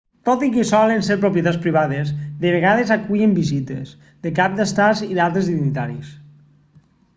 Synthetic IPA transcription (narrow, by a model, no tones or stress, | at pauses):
t̪ot̪ikesɔlenseɾpɾopjet̪at͡spɾiβ̞aðezðeβeɣað̞ezakuʎembizit̪ḛs | ðekap̚d̪ast̪aziðalˠt̪ɾezðinit̪aɾis